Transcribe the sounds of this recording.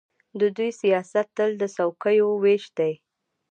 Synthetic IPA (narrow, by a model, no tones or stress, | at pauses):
d̪əd̪ujsijɑsat̪ːəld̪əsawkəjoweʃd̪aj